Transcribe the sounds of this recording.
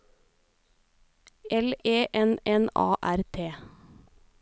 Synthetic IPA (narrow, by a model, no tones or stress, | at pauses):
ʔɛleːʔɛnɛnɑ̰ːʔæɾt̪ʰeː